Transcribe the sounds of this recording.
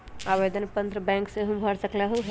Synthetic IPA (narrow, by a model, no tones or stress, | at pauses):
aʋed̪ənpənt̪ɾəbɛ̃ːŋkseɦũbʱəɽsəkleɦuɦ